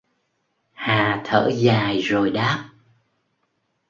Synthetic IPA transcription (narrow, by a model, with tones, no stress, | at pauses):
haː˨˩t̪ʰə̰ː˧˥zaː˨˩jzo˨˩jɗaː˦˥p̚